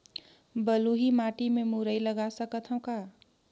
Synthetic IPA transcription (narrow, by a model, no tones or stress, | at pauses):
bəluɦimaʈimemuɾəjləɡasəkət̪ʰə̃ka